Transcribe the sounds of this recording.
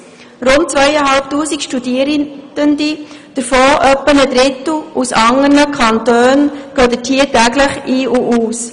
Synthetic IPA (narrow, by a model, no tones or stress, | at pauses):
ɾʊnt̚t͡svœjəɦɑlp̚tuːsikʃtudiːəɾə̥əndid̥əɾfoːʔœpːənəd̪ɾɪtl̩ʔusɑŋəɾnəkʰɑnt̪øːnɡ̥œːd̪ətʰiːtæɡləχiːʔuʔuːs